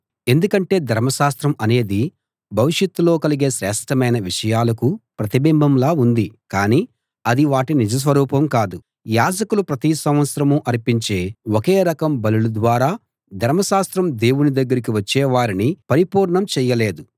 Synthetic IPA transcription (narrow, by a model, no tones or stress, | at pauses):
e̞nd̪ukɐɳʈe̞ːd̪ʱɐɾmɐʃaːst̪ɾɐmɐne̞ːd̪i | bʱɐʋiʂjɐt̪ːulo̞ːkɐliɡeːʃɾɛːʂʈʰɐmɐjnɐʋiʂɐjaːlɐkupɾɐt̪ibimbʱɐmlaːund̪ikaːniː | ɐd̪iʋaːʈinid͡ʒɐs̬ʋɐɾuːpɐmkaːd̪u | jaːd͡ʒɐkulupɾɐt̪isɐ̃mʋɐt̪sɐɾɐmuʔɐɾipiɲt͡ʃe̞ːokeːɾɐkɐmbɐlulud̪ʋaːɾaː | d̪ʱɐɾmɐʃaːst̪ɾɐmd̪e̞ːwunid̪ɐɡːɐɾikiʋɐt͡ʃːɛːʋaːɾinipɐɾipuːɾɳɐmt͡ʃɛːjɐle̞ːd̪u